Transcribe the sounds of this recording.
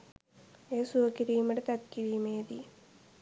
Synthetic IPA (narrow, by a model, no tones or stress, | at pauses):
eːsuʋɐkɪɾiːmɐɽɐt̪ɐt̪̚kɪɾiːmeːði